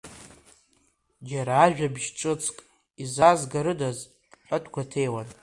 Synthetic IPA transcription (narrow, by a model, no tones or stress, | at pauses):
d͡ʒaɾaːʒᶣabʒʈ͡ʂʼɨt͡sʰʼkʼ | izazɡaɾɨdazʼ | ħʷatʰʼɡʷatʰejwan